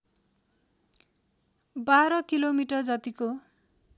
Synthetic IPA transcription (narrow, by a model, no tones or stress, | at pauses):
baɾʌkilomiʈʌrd͡zʌt̪iko